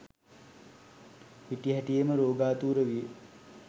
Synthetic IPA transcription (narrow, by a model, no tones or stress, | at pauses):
ʋiʈiɦæʈijeməɾoːɡaːt̪uːɾəʋije